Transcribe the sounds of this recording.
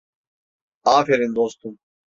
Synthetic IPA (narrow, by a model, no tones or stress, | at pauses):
aːfeɾind̪ɔst̪um